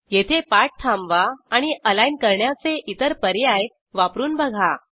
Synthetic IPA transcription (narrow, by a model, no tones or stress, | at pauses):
jet̪ʰepaɾʈ̚t̪ʰamʋaːɽ̃iʔəlainkəɾɳjat͡seʔit̪əɾpəɾjaj | ʋapɾuːnbəɡʱa